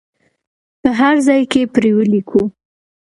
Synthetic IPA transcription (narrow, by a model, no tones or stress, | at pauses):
pəɦaɾzɑjkepɾewəlikʰu